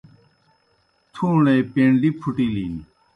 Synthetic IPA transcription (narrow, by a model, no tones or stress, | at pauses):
t̪ʰuŋlɛːpenlipʰuʈ͡ʂilini